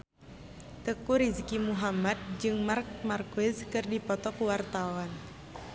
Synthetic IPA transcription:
t̪əkuɾizkimuɦamat̪̚d͡ʒɨŋmark̚markɪzkɨrdipɔt̪ɔkuwart̪awan

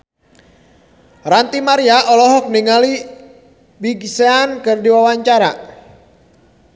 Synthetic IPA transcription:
rant̪imaɾiaʔɔlɔɦɔk̚niŋali | biɡiseankɨrdiwawaɲt͡ʃaɾa̰

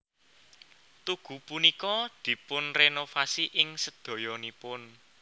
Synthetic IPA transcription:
t̪uɡ̥ṳpunikɔd̪̥i̤pʊnrenofasiʔɪŋsəd̪̥ɔ̤jɔnipʊn

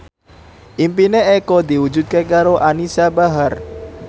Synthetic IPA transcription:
ʔimpineekod̪i̤wu̥d͡ʒut̪̚kekaɾoʔanisabaɦar

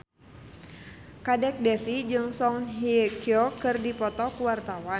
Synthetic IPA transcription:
kadɛk̚dɛfid͡ʒɨŋsɔŋɦikiɔkɨrdipɔt̪ɔkuwart̪awa

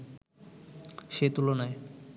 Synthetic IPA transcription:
ʃet̪ulonae

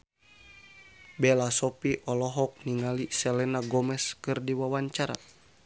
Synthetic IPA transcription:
bɛlasɔpiʔɔlɔɦɔk̚niŋalisɛlɛnaɡɔmɛskɨrdiwawaɲt͡ʃaɾa̰

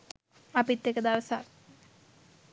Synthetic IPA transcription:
ɐpit̪ːekːɐd̪aːʋɐsa̰ː

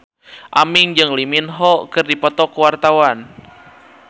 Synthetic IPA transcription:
ʔa̰miŋd͡ʒɨŋliminɦɔkɨrdipɔt̪ɔkuwart̪awan

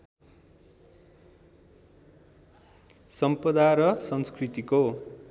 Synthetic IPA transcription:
sʌmpʌd̪aɾʌsʌnskrit̪iko

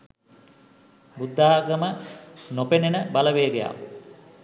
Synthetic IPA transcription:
bud̪ːaɦaɡəmənopenenəbaləʋeːɡeja̰ːʋə

